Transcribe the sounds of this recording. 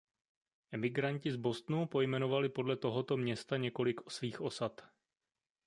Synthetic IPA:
ʔɛmɪɡɾaɲcɪzbo̞st̪nupo̞jmɛno̞valɪpo̞dlɛt̪o̞ɦo̞t̪o̞mɲɛst̪aɲɛko̞lɪkosviːxʔo̞sat̪

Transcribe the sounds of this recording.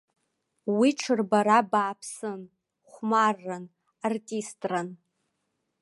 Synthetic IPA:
wiʈ͡ʂʰɨrbaɾabaːpʰsɨn | χʷmarːan | artʼistʼran

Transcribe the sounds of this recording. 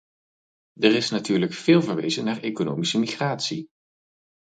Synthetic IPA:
dərɪsnatyːɹləkfɪːlˠvəɹʋḛjzənaːɹejkono̰ːwmisəmiχraːtsi

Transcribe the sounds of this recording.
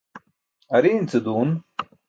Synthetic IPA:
ɐɾint͡sɨd̪uːn

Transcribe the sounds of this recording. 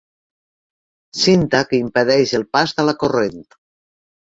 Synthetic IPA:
sint̪akeimpeðɛʃelˠpast̪alakorent̪

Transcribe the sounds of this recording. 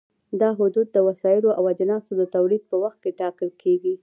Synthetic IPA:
d̪ɑɦʊd̪ud̪̚ːəwasɑjɪloʔawad͡ʒanɑsod̪ət̪awlid̪̚pəwaxt̪̚keʈɑkəlkʰeɡi

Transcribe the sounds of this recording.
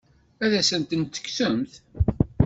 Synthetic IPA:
æðæsənt̪ənt̪ːə̥ksəmθ

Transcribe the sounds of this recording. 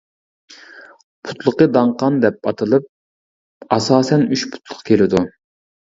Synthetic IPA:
pʰu̥t̪lˠəqəd̪ɑɴqɑnd̪ɛp̚ɑt̪ʰɨlˠɨp̚ | ɑsɑːsɛnyʃpʰu̥t̪ʰlˠʊ̥qkʲelɪd̪u

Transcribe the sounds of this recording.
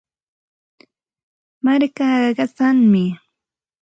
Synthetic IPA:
maɾkaːɢɑɢɑt͡saŋmɪ

